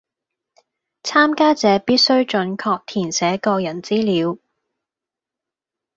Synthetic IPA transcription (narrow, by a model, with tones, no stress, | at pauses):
t͡sʰaː˥mkaː˥t͡sɛː˨˧piː˥t̚sɵ˥ɥt͡ʃɵ˨˧nkʰɔː˧k̚t̪ʰiː˨˩nsɛː˨˥kɔː˧jɐ˨˩nt͡siː˥liː˨˧˥w